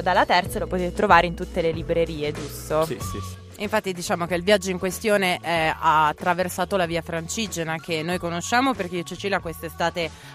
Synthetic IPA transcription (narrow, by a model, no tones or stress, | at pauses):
d̪alːat̪ɛrt̪salopot̪eːt̪et̪ɾovaːɾeint̪ut̪ːelelibɾeɾiːed͡ʒust̪oi | iɱfat̪ːid̪it͡ʃaːmok̟eilvjad͡ʒːoiŋkwest̪joːneʔɛaːt̪ːɾaversaːt̪olaviːafɾant͡ʃiːd͡ʒenakenːojkonoʃːaːmoperk̟eot͡ʃit͡ʃilakwest̪est̪aːt̪e